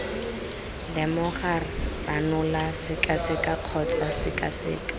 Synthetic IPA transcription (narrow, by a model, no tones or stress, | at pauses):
lɛmʊχaranʊlasɪkʼasɪkʼaq͡χʰɔt͡sasɪkʼa̰sɪ̰ːkʼḁ